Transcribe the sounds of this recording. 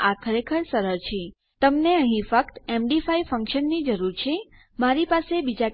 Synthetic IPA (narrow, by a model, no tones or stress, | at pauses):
akʰəɾekʰəɭsəɾəɾt͡ʃʰe | t̪əmneəɦĩfək̚t̪emɖifaifə̃ŋkʃənːid͡ʒəɾuɾt͡ʃʰe | maɾipasebid͡ʒa